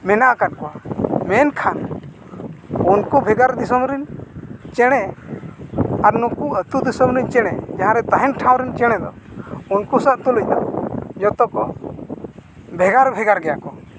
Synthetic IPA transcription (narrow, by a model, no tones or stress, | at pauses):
mɛnaʔakat̚kɔamɛnkʰan | unkɔbʱɛɡaɾd̪isɔmɾɛnt͡ʃɛɽ̃ɛ | aɾnɔkuət̪ud̪isɔmɾint͡ʃɛɽ̃ɛd͡ʒãɦãɾɛt̪aɦɛnʈʰãw̃ɾɛnt͡ʃɛɽ̃ɛd̪ɔ | unkusaʔt̪uləc̚ˀd̪ɔ̰d͡ʒɔt̪ɔkɔ | bʱɛɡaɾbʱɛɡaɾɡɛjakɔ